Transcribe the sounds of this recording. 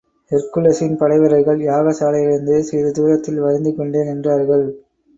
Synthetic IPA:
ɛɾkɯlɐsɪnpɐɽɐɪʋɐɾɐɪɣɐɭjaːɣɐsaːlɐɪɐɾɪnd̪ɯsiɾɯt̪uːɾɐt̪ːɪlʋɐɾɪnd̪ɯkɔɳɖeːnɛndraːɾɣɐɭ

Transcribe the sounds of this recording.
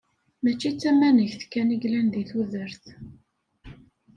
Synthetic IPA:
mæt͡ʃːit͡sːæmænəçθkːæniɡlænðiθuðəɾθ

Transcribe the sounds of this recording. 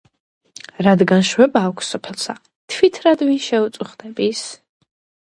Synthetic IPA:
ɾad̪ɡanʃwɛbaːkʷʰsɔpʰɛlˠsa | t̪ʰwit̪ʰɾad̪vinʃɛut̪sʼuχd̪ɛbis

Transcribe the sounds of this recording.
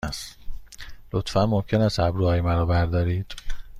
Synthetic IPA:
st̪ | lot̪fænmomcʰe̞næst̪æbɾuːɒːjemæɾɒːbæɾd̪ɒːɾiːd̪̥

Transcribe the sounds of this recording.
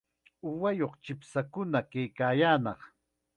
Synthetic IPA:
ʊwajoχt͡ʃɪpsakʊnakajkaːjaːnɑχ

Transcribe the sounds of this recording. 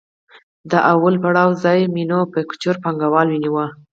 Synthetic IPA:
d̪əʔawəlpaɽɑwzɑjminopəkʊ̥t͡ʃoɾpaŋɡawɑlwiniwa

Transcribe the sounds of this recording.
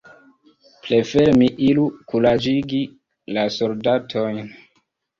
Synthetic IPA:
ple̞fe̞ɾmiʔilukulad͡ʒiɡi | lasoldatʰo̞jn

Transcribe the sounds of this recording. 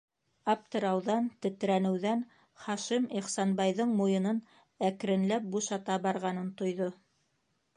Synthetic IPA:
ɑft̪ɤ̆ɾɑwðɑnt̪ɵ̆t̪̆ɾænɘ̆wðæn | χɑʃimiχsɑnbɑjðɤɴmujɤ̆nɤn | æk̆ɾɘ̆nlæp̚buʃɑt̪ɑbɑɾʁɑnɤnt̪ŏjðo

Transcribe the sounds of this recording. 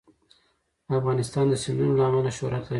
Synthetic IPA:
afɣɑnɪst̪ɑnd̪əsɪnd̪unolaamalaʃoɾat̪la

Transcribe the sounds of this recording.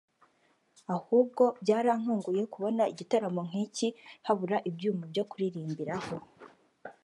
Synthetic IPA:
ahuːb̚ɡo̞bjaːɾaŋ̥uːŋɡuje̞kuβo̞naiɟitaɾamoŋ̥icihaβuɾaʔibɟuːmabɟo̞kuɾiɾiːmbiɾaho̞

